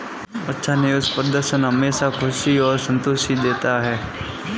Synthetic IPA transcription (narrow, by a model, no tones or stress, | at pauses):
ɐtːʃʰanɪjuspɾəd̪əɾʃənɦɐmeːʃakʰʊʃiɔːɾsə̃nt̪oʃid̪eːt̪aɦɛː